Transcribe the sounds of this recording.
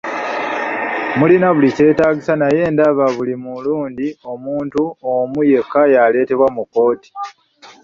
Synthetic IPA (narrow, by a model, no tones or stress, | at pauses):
mulinaβulice̞ːtaːɡisanaje̞ːndaβaβulimuluːndio̞muːntuomuje̞kːajale̞ːte̞βwamukːo̞ːti̥